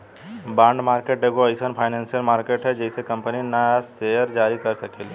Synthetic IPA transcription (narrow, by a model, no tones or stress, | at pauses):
bãːɳɖmaːɾkeːʈ̚ɖeɡoɐɪsənpʰaːɪnãːnsijəlmaːɾkeːʈɦɛd͡ʒɛːsekɐ̃mpəninɐsejəɾd͡ʒaːɾikɐɾsɐkeːl